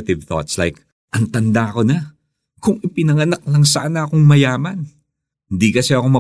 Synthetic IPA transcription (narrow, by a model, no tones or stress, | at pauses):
ɪt̪ɪvθɔ̰t̪sla̰jk̚ | ʔɐnt̪ɐnd̪ako̞nɐ | kʊŋɪpɪnɐŋɐnak̚lɐŋsaːnɐɐkoŋmɐjaːmɐn | hɪnd̪ikɐsɛɐko̞mɐ